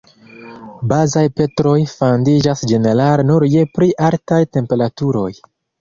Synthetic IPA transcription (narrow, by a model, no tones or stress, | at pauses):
bazajpe̞tɾo̞jfandid͡ʒasd͡ʒe̞ne̞ɾaɾnuɾje̞pɾiʔaltajte̞mpe̞ɾatuɾo̞j